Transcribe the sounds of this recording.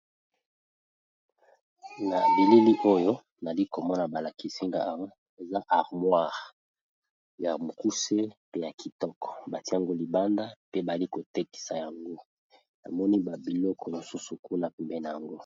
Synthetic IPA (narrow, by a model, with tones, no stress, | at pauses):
na˨bi˨li˦li˦ʔo˦jo˦ | na˨li˦ko˨mɔ˦na˨ba˨la˨ki˨si˦ŋɡa̰˦a˨wa˦ | e˨za˦ʔa˨ʁmwa˦˨ʁ | ja˨mo˨ku˦se˦pe˦ja˨ki˨tɔ˦kɔ̥˨ba˨ti˦a˨ŋɡo˦li˨ba˦nda˦pe˦ba˨˦li˦ko˨te˦ki̥˨sa˨ja˨ŋɡo˦ | na̰˨mɔ˦ni˦ba˨bi˨lɔ˦kɔ˨jo˨su˦su˨ku˦na˨pɛ˨mbɛ˦na˨ja˨ŋɡo˦